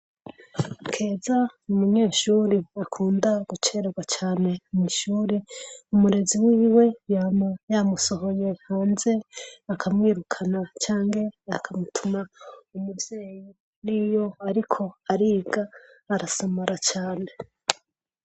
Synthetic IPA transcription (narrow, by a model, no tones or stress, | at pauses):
kʰe̞ːzaumuɲe̞ːʃuɾiakʰuːndaɡ̥ut͡ʃeɾɡwat͡ʃaːne̞ŋiʃuːɾeumuɾe̞ziwiːwe̞jaːmajamuso̞ho̞je̞haːnze̞akʰamŋiːɾukʰanat͡ʃaːŋɡe̞akʰamutʰumaumubje̞ːji | nijo̞aɾikʰo̞aɾiːɡaː | ɾasamaɾat͡ʃaːne̞